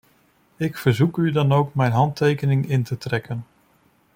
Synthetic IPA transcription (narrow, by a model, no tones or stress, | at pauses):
ɪkfəɹzukydɑnowkmɛjnɦɑntejkənɪŋɪntətrɛkən